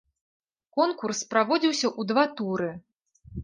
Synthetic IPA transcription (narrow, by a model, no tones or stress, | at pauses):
kɔnkurspɾavɔd͡zʲiwsʲɐʔud̪vat̪uɾɨ